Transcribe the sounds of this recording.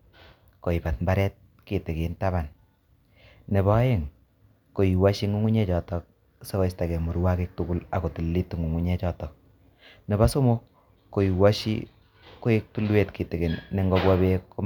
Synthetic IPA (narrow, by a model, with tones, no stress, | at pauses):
ko˨i˨pa˨t̚mba˦ɾɛ˦t̚ | ki˨te˨ke˨nta˦ba˨n | ne˨bɔ˦je˦ŋ | ko˨ji˨wa˦ʃi˦ŋu˦ŋu˦ɲɛ˦t͡ʃɔ˨tɔ˨k̚ | se˦kɔ˦sta˨kɛ˨mu˨ɾwa˦ke˦k̚tu˨ku˦la˨ko˨tu˨lːi˦tu˨ŋu˨ŋu˦ɲɛ˦t͡ʃɔ˨tɔ˨k̚ | ne˨ba˦so˦mo˦ | ko˨i˨wa˦ʃḭ˦ | ko˦e˦k̚tu˦lwe˦tki˨te˨ke˨nːe˨ŋɡɔ˦kwa˦be˦ko˦